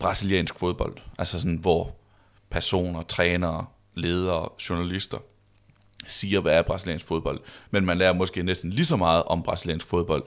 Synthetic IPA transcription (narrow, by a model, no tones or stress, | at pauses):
b̥ʁɑ̈siljɛ̰ːnsɡ̥fo̝ðˠb̥ɒ̽l̰d̥ʔælsəsɒnʋɒ | pʰæɐso̝̰ːnɐt͡sʰʁɛːnɐː | le̝ːð̞ˠɐːɕo̝nælisd̥ɐ | siːɐʋææɐb̥ʁɑ̈silɛ̰ːnsɡ̥fo̝ð̞ˠb̥ɒ̽l̰d̥menmænlæːɐmɒ̽sɡ̥e̝̰ːnesd̥n̩lisɒ̽mɑ̈ːð̞̩ˠʔɒ̽mb̥ʁɑ̈siljɛ̰ːnsɡ̥fo̝ðˠb̥ɒ̽l̰d̥